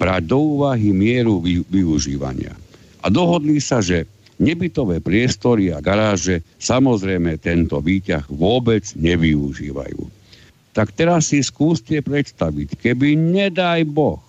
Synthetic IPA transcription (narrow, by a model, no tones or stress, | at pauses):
bɾaːɟ̚d̪ɔuːʋaɦimɪɛɾuiʋiuʒiːʋa̰ɲɪa̰ | ʔad̪ɔɦɔd̪liːsaʒɛ | ɲɛbit̪ɔʋɛːpɾɪɛst̪ɔɾiaɡaɾaːʒɛsamɔzɾɛjmɛt̪ɛnt̪ɔʋiːca̰ɣʋʊɔbɛd͡zɲɛʋiuʒḭːʋa̰jṵː | t̪akt̪ɛɾasːiskuːscɛpɾɛt̪st̪aʋickɛbiɲɛd̪ajbɔx